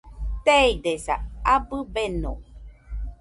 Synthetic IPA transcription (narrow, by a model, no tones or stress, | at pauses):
t̪eid̪esa̰abɨbeno̰